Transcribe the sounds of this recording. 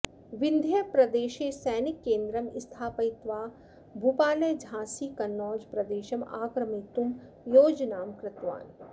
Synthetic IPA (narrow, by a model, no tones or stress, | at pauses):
ʋɪnd̪ʱjɐjpɾɐd̪eːʃeːsɛːnɪkːẽːnd̪ɾɐmɪst̪ʰaːpɐjt̪ʋaː | bʱupaːlɐjd͡ʒʱãːsikɐnːɔːd͡ʒpɾɐd̪eːʃɐma̰ːkɾɐmit̪um | joːd͡ʒnaːmkɾɪt̪ʋa̰ːn